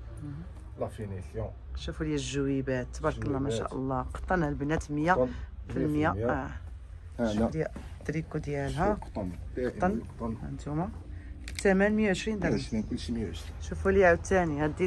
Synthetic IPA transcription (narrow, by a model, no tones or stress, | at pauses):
lɑfiniɬjo | ʃufuljæʒːəwibæt̪ːbɑɾˤkːəlnæmæʃæ̰ʔə̰lˤːɑqɑ̥t̪ˤːənlbnæt̪məjːafilmja | d̪jæd̪ɾikud̪jælɦæt̪ˤːt̪ːɑnˤnə̰nt̪mæt̪ːæmænmjæwʕəʃɾind̪ʃɾinkʊlːʃimjʕəʃɾiʃufuljʕat̪ːænjæd̪i